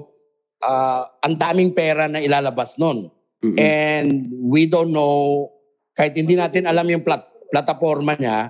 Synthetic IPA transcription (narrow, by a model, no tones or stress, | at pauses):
ʔaʔɐŋd̪aːmɪŋpɛːɾɐnɐɪlaːlɐbasno̞n | ʔɛnd̪̚wid̪onːow | kaːhɪt̪̚hɪnd̪inaːt̪ɪnɐlamjʊŋplat̪̚plɐt̪ɐfo̞ɾmɐɲa